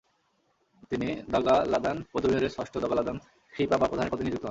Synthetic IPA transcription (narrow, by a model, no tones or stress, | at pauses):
t̪inid̪ɔɡalad̪anpɾod̪ʰomioɾesɔʃʈʰod̪ɔɡalad̪an | kʰɾipabapɾod̪aneɾpot̪inid͡ʑ̪ikt̪ɔɦɔn